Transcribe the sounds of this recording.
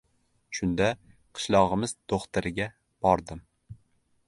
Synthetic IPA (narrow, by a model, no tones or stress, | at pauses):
ʃʊnd̪a | qʰɨ̥ʃlˠɒʁɨmɪzd̪̥oχt̪ɪɾɪɡʲa | b̥ɒɾd̪ɪm